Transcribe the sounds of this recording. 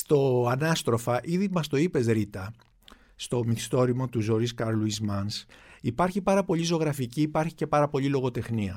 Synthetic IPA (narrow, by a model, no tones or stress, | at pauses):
st̪oɐnɐst̪ɾo̞fɐʔiðimɐst̪o̞ipe̞zɾit̪ɐ | st̪o̞mist̪o̞ɾimot̪uzo̞ɾiskɐɾluizmɐnsipɐɾçipɐɾɐpo̞lizo̞ɣɾɐficiːpɐɾçice̞pɐɾɐpo̞lilo̞ɣo̞t̪e̞xniɐ